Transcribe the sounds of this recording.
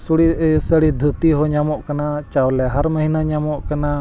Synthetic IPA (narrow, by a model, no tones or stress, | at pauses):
suɽisəɽid̪ʱut̪iɦɔɲamɔʔkanat͡ʃawlɛɦaɾməɦinaɲamɔʔkana